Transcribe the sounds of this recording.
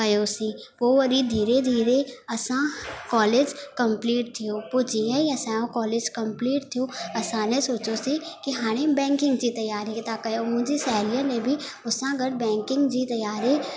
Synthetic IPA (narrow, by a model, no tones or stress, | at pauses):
kɐjosiʋoʋɐɾid̪ʱiːɾed̪ʱiːɾeɐsãkɔːleːd͡ʒkə̃mpliːʈ̚t̪ʰijoːpod͡ʒieiɐsãːjõkɔːleːd͡ʒkɐ̃mpliːʈt̪ʰijoːɐsãːnesoːt͡ʃosikiɦaːɽ̃ebɛ̃ːŋkɪ̃ŋɡd͡ʒit̪ɐjaːɾit̪akɐjomʊ̃d͡ʒisɛːlijãnẽbʱi | ʊsãɡəɽbɛ̃ːŋkɪ̃ŋɡd͡ʒit̪ɐjaːɾi